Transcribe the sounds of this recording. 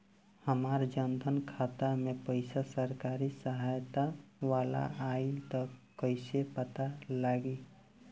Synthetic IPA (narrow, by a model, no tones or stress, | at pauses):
həmaːɾd͡ʒənd̪ʱənkʰat̪amepəɪsasəɾkaɾisəɦajt̪aʋala̰ait̪ɔkəɪsepət̪alaɡi